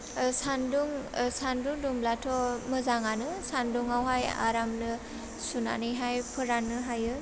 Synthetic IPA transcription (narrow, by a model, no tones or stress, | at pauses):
sanduŋsanduŋdumlatʰɔmɯzaŋanɯsanduŋawɦaja̰ɾamnɯ | suna̰nɯjɦajpʰɯɾanːɯɦajɯ